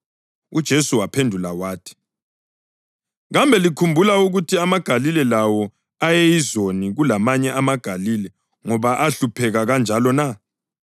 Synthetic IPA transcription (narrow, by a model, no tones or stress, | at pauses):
ud̥ʒ̥ʱesuwapʰendʱulawaːtʰi̥ | ɣambʱɛlikʰumbʱulauɣutʰiamaɡ̥ʱalilɛlawɔ | ajɛjizoniɣulamaɲɛʔamaɡ̥ʱalilɛ | ŋɔβaʔaɬupʰɛɣaɣand͡ʒʱalɔna